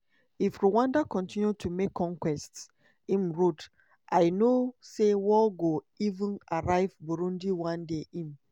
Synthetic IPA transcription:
ifɹiwãndakɔ̃ntĩnjutumekʰːɔ̃ŋkwɛsts | ĩmɹod | ʔaɪnosewɔɡo | ivũnaɹaɪvboɾũndiwãndeʔĩm

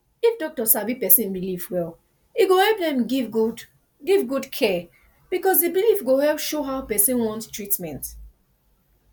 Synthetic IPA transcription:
ifdɔk̚tɔsabipɛsĩnbilivwɛl | iɡohɛlp̚dɛ̃mɡivɡud | ɡivɡudkʰɛ | b̥ikɔsdibilifɡohɛlpʃoɦaʊpɛsĩnwɔ̃ntstɹitmɛ̃nt

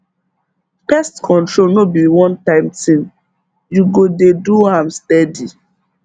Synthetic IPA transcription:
pɛstkʰɔ̃ntɹolnobiwɔ̃ntãɪ̃mtĩn | juɡodeduãmstɛdi

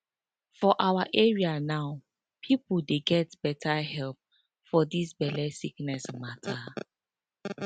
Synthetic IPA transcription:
fɔʔawaʔɛɹianaʊ | pʰipuldeɡɛtb̥ɛtʰaɦɛlp̚ | fɔdisbɛlɛsiknɛsmatʰa

